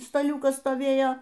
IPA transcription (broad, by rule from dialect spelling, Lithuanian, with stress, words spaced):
stɐˈlʲuːkɐs stoːˈʋʲeːjoː